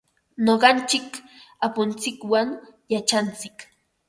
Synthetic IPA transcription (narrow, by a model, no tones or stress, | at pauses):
noɢɑnt͡ʃɪkapʊnt͡sɪkwaŋjat͡ʃant͡sɪk